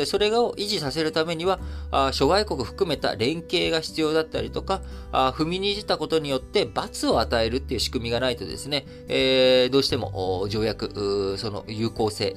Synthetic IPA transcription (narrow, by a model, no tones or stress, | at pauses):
so̞ɾe̞ɡaoʔiʑisase̞ɾɯ̟t̪ame̞ɲ̟iβaɕo̞ɡaiko̞kɯ̟ɸɯ̟̥kɯ̟me̞t̪a̰ɾẽ̞ŋke̞ːɡaçi̥t͡sɨjo̞ːd̪at̪ːa̰ɾʲit̪o̞kaɸɯ̟mʲiɲ̟iːʑit̪ako̞t̪o̞ɲ̟ijo̞t̪ːe̞bat͡sɨo̞at̪ae̞ɾɯ̟t̪ːe̞iɯ̟ɕi̥kɯ̟mʲiɡanait̪o̞d̪e̞̰sɨne̞ | ed̪o̞ːɕi̥t̪e̞mo̞̰ʔd͡ʑo̞ːjakɯ̟so̞no̞̰jɯ̟ːko̞ːse̞ː